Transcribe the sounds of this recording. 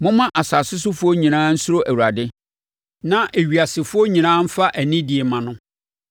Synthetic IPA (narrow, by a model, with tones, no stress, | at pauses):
mʊ̃˦mã˦ʔa˨sa˨sɪ˦sʊ˦fʊ˦ɔ˦ɲĩ˨nãː˦n̩˦sʊ˦ɾo˦ʔæ˨wu˨ɾa˨dɪ˦ | nã˦ʔe˨ɥi˨a˨sɪ˨fʊ˦ɔ˦ɲĩ˨nãː˦m̩˦fa˦ʔæ˨nĩ˦di˨e˨mã˨nʊ̃˦